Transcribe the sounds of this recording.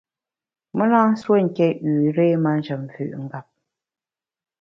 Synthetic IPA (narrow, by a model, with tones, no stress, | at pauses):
mə˦lãː˦n̩˦swə˦˨ŋ̩˨kɛ˦˨ʉː˨ɾe˦ma˦n̩˦d͡ʒə˨m˨fʉ̰˨ʔŋ̩˦ɡa˨p̚